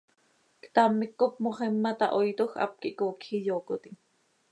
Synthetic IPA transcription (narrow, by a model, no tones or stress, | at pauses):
kt̪amːikːop̚moχemːat̪a̰ʔojt̪oxʔa̰p̚kiʔkoːkhijoːkot̪iŋ